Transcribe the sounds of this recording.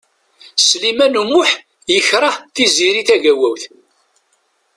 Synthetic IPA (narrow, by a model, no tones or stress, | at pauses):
slimænumʊħ | jəçɾˤɑθiziɾiθæʝæwæwθ